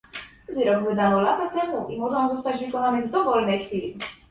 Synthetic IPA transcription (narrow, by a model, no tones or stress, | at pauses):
d̪ɘɾɔɡvɘd̪anɔlat̪at̪ɛmuʔimɔʐɔ̃w̃zɔst̪ad͡ʑvɘkɔnanɘvd̪ɔvɔlnɛjxfʲilʲm